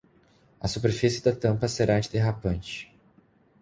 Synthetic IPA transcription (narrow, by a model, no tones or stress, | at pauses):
ɐsupeɾfisɪd̪ɐt̪ɐ̃mpɐseɾaɐ̃t͡ʃɪd̪eɦapɐ̃nt͡ʃɪ̥